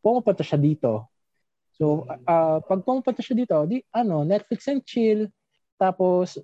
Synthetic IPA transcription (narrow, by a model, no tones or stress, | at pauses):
pomɐpʊnt̪ɐʃɐd̪iːt̪o̞ | soʔɐpɐɡ̚pomupʊnt̪ɐʃɐd̪iːt̪od̪iʔɐno̞nɛt̪̚flɪksɛnt͡ʃɪl | t̪aːpos